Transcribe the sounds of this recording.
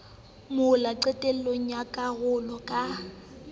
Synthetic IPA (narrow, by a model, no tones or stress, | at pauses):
mʊlaǀɛtʼɛl̩loŋ̩jakʼaɣʊlɔkʼa